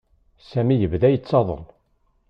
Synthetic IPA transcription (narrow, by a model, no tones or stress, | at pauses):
sæmijəvðæjət͡sːɑðˤə̰l